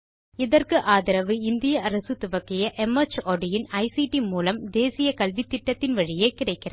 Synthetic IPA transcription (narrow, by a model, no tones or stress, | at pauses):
ɪðɐrkɯʔaːðɪɾɐʋɯɪnd̪ɪjɐʔɐɾɐsɯt̪ʊʋɐkːɪjɐʔɛmɐt͡ʃoːɖɪjɪnɐɪsiʈimuːlɐmd̪eːsɪjɐkɐlʋɪt̪ːɪʈːɐt̪ːɪnʋɐɻɪjeːkɪrɐɪkːɪrɐ